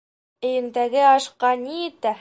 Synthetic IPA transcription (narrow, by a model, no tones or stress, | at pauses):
ɘ̆jɘ̆nd̪æɡɘɑʃqɑnijɘ̆t̪æ